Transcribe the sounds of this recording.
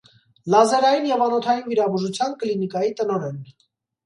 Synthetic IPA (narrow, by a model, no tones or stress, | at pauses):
lɑzɛɾɑjinjɛvɑnɔt̪ʰɑjinviɾɑbuʒut͡sʰjɑnklinikɑjit̪ənɔɾɛn